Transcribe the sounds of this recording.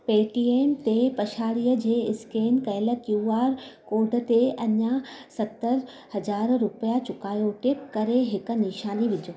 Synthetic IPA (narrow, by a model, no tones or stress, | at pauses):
peːʈiːeːmt̪epɐʃaːɽijəd͡ʑeːɪskeːnkɐɦɪlə̆kjuaːɾkoːɖʱə̆t̪eɐɲãsɐt̪ːəɾ | hɐzaːɾɾʊpəjat͡ɕʊkaːjoʈɪp̚kɐɾeɦɪk̆nɪʃaːniʋɪd͡ʑʱoː